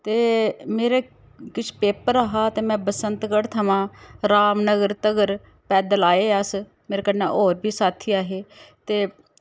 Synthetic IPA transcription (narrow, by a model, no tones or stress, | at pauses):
t̪eːmeːɾeː | kɪt͡ʃʰpeːpəɾaːɦaːt̪eːmɛ̃ːbəsənt̪kəɽt̪ʰəmãːɾaːmnəɡəɾt̪əɡəɾ | pɛːd̪əlaːeːəs | meːɾeːkənːẽʔoːɾbiːsaːt̪ʰiːaːɦeːt̪eː